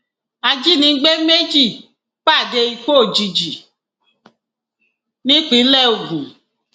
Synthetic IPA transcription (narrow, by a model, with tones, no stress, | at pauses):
a˧d͡ʒi˦nĩ˧˦ɡ͡be˦me˦d͡ʒi˦˨ | k͡pa˦˨de˧i˧k͡po˦˨d͡ʒi˧d͡ʒi˨ | nĩ˦k͡pi˨˦lɛ˦˨o˨ɡũ˨